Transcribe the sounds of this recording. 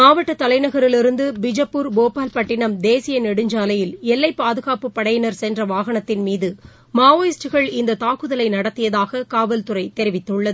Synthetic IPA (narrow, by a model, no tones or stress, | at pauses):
maːʋɐʈːɐt̪ːɐlɐɪnɐɣɐɾɪlɪɾɯnd̪ɯbɪd͡ʒɐpːuɾboːpaːlpɐʈːɪɳɐmd̪eːsɪjɐnɛɽɯɲd͡ʒaːlɐjɪlɛlːɐɪpːaːðɯɣaːpɯpːɐɽɐjɪnɐɾsɛndrɐʋaːɣɐɳɐt̪ːɪnmiːðɯ | maːoːjɪsʈɯɣɐɭɪnd̪ɐt̪aːkɯðɐlɐɪnɐɽɐt̪ːɪjɐðaːɣɐkaːʋɐlt̪ɯɾɐɪt̪ɛɾɪʋɪt̪ːɯɭːɐðɯ